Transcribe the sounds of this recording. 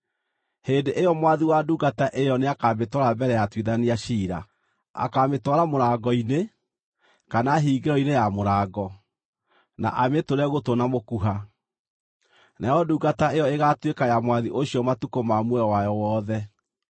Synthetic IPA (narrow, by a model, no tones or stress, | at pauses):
hendeʔejɔmwaðiwaduːɡataʔejɔneakaːmetɔɾabɛɾɛjatwiðaniaʃiːɾa̰ | a̰kametwɔɾamoɾaːɡɔine | kanaɦiːɡeɾɔinejamoɾaːɡɔ | na̰ʔametoɾɛɣotonamokuɦa | naɔduːɡataejɔeɣatwekajamwaðiʔoɕiɔmatukomamweɾɔwajɔwɔðɛ